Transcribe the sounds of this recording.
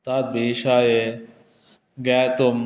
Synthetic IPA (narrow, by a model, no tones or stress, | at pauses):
t̪aːt̪̚biʃaje | ɡat̪om